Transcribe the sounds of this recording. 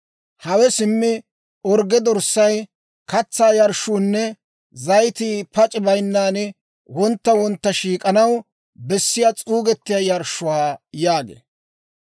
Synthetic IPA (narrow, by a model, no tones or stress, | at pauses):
hɐwɛsɪmːɪ | ɔɾɡɛd̪ɔɾsːɐj | kɐt͡sːaːjɐɾʃuːnːɛ | zɐjt̪iːpɐt͡ʃʼɪbɐjnːaːn | wɔnt̪ːɐwɔnt̪ːɐʃiːkʼɐnɐw | bɛsːɪjat͡sʼuːɡɛt̪ːɪjajɐɾʃːʊwaːjaːɡḛː